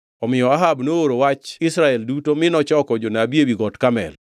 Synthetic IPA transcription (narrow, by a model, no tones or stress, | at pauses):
ɔmɪjɔaɦabnooɾowat͡ʃɪsɾaɛldutomɪnɔt͡ʃɔkɔd͡ʒonabiewiɡɔtkamɛ̰l